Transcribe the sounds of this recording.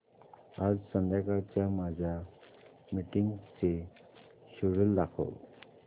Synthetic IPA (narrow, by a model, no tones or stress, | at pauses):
ad͡zsənd̪ʱjakaɾt͡ɕjamad͡ʑʱa | miʈiŋɡt͡se | ɕuɾulːakʰo̰w